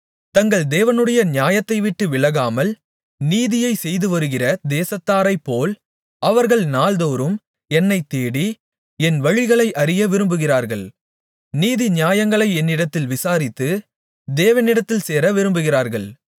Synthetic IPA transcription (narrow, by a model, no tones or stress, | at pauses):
t̪ɐŋɡɐɭd̪eːʋɐnɯɽɐjɐnɪjaːjɐt̪ːɐɪʋɪʈːɯʋɪɭɐɣaːmɐl | niːðɪjɐɪsɛjðɯʋɐɾɯɣɪrɐd̪eːsɐt̪ːaːɾɐɪpːoːl | ɐʋɐɾɣɐɭnaːld̪oːɾɯm | ɛnːɐɪt̪ːeːɽi | ɛnʋɐɻɪɣɐɭɐɪʔɐɾɪjɐʋɪɾɯmbɯɣɪraːɾɣɐɭ | niːðinjaːjɐŋɡɐɭɐɪɛnːɪɽɐt̪ːɪlʋɪsaːɾɪt̪ːɯ | d̪eːʋɐnɪɽɐt̪ːɪlseːɾɐʋɪɾɯmbɯɣɪraːɾɣɐɭ